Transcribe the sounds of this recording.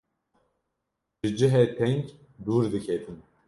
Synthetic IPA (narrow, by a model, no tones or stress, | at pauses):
ʒɨd͡ʒɨɦɛt̪ʰɛŋk | d̪uːɾd̪ɨkʲʰɛt̪ʰin